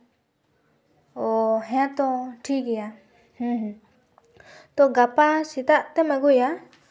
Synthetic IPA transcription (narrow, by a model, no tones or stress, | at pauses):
oɦẽãt̪oʈʰikija | h̩ɦ | t̪oɡapasit̪aʔt̪emẽkuja